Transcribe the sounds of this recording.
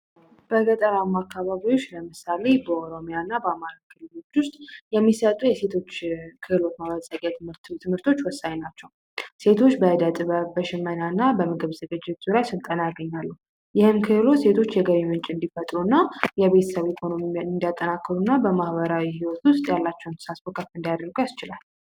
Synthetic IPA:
b̥əɡət̪ʼəɾamːakːaβaβiot͡ʃːləmɨsale̞bəoɾo̞mijanːabəamaɾakʰɨlɨlo̞t͡ʃːwʊst̪ʼjɛmːisət̪ʼujɛse̞t̪ʰo̞t͡ʃːkʰɨhɨlo̞t̪mawəsʼəkʼjat̪ʰt̪t̪ʰɨmhɨɾt̪ʰo̞t͡ʃːwɔsːaɲnat͡ʃːɛw | se̞t̪ʰo̞t͡ʃːbəd̪ət̪ʼbəʃɪmːənanːabəmɨɡɨβzəɡɨd͡ʒɪt̪z̥uɾajsɨlt̪ʼənajaɡəɲːalːəh | jɪhɨmkʰɨhlo̞se̞t̪ʰo̞t͡ʃːjɛɡəβimɨnt͡ʃʼɨnd̪ifət̪ʼɾunːajɛβe̞t̪ʰə̥səβikʰo̞no̞miaɨnd̪ijat̪ʼːənakːəɾunːabəmahβəɾawihiwɔt̪wʊst̪ʼjalːat͡ʃːɛwnʰɨ̥sasfokʰəfɨnd̪ajad̪ɾəɾɡujast͡ʃɪlal

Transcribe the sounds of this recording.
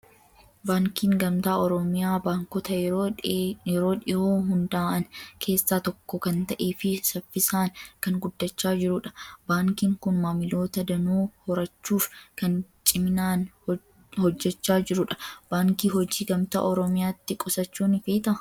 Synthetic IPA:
baːŋkiːŋɡɐmt̪aːɔɾɔmɪjaːbaːŋkɔt̪ɐj | jɛɾo̞ːᶑɪoːɦʊnd̪ɐːʔɐnkʰe̞ːsːaːt̪ɔkːɔkɐnt̪ɐʔe̞ːfɪsɐfːɪsaːŋkɐŋɡʊd̪ːɐt͡ʃːaːd͡ʒɪɾʊᶑɐ̥baːŋkiːŋkʊnmaːmɪlo̞ːt̪ɐd̪ɐnuːhɔɾɐt͡ʃːuːfkɐnt͡ʃʼɪmɪnaːn | hɔd͡ʒːɛt͡ʃːaːd͡ʒɪɾʊᶑɐ̥b̥aːŋkiːɦɔd͡ʒiːɡɐmt̪a̰ːʔɔɾɔmɪjaːt̪ːɪkʼɔsɐt͡ʃːuːnɪfeːt̪ɐ

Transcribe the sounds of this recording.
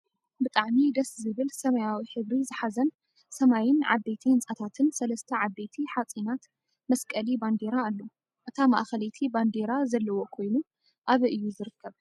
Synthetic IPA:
bɨt̪ʼaʕmid̪ɐszɨβɨlsɐmɐjawiħɨβɾizɨħazɐn | sɐmajɪnʕa̰b̪et̪ʰiɨnt͡sʼat̪ʰat̪ʰɨnsɐlɐst̪ʰɐʕab̪ːe̞t̪ʰiħat͡sʼinat̪ | mɐskʼɐliband̪eɾaːlːo | ʔɨt̪ʰama̰ʔxɐlet̪ʰiband̪eɾazɐlːɐwo̞kʰo̞jnu | ʔaβɨʔɨjːuzɨɾɨkːɐβ

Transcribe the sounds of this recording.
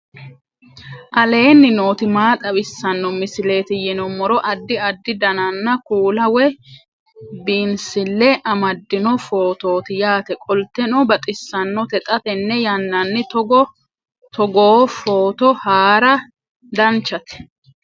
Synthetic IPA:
ʔɐle̞ːnːɪno̞ːt̪ɪmaːt̪ʼɐbɪsːɐnːɔmɪsɪle̞ːt̪ɪjɛnɔmɔɾɔʔɐd̪ːɪɐd̪ːɪd̪ɐnɐnːɐkuːlɐwɛ | biːnsɪlːɛʔɐmɐd̪ːɪnɔfo̞ːt̪o̞ːt̪ɪjaːt̪ɛkʼɔlt̪ːɛnɔbɐt̪ʼɪsːɐnːɔt̪ɛt̪ʼɐt̪ɛnːɛjɐnːɐnːɪt̪ɡ | t̪ɔɡoːfoːt̪ɔhaːɾɐ | d̪ɐnt͡ʃːɐt̪ɛ̥

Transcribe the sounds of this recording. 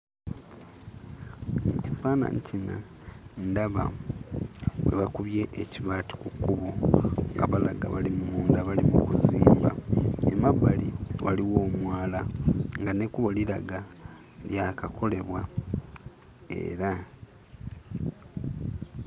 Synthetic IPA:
cifaːna̰ɲtʰina̰ | ndaβa̰ | we̞̰βakuβje̞ʔeciβaːti̥kukːuβo̞ŋɡa̰βalaɡa̰βalimumuːndaβalimukuziːmbaemaβaliwaliwo̞ːmwaːlaŋɡane̞kuβo̞liɾaɡa | ljakakʰo̞le̞βwa | e̞̰ːɾa

